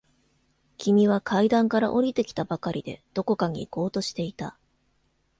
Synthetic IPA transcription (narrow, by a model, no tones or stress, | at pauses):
kʲimʲiβ̞akʰaid̪ãŋkaɾa̰ʔo̞ɾʲit̪e̞kʲi̥t̪abakaɾʲid̪e̞̰d̪̥o̞ko̞kaɲ̟ḭko̞ːt̪o̞ɕi̥t̪e̞it̪a